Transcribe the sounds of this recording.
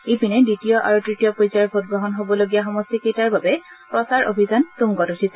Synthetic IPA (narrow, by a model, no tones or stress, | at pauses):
ipinɛdɹitijɔʔa̰ɹutɹitijɔpojzaɹbʱot̚ɡɹɔɦɔnɦobɔloɡijaxɔmɔstikejtaɹbabɛ | pɹɔsaɹʔo̰bʱizantuŋɡɔtutʰisɛ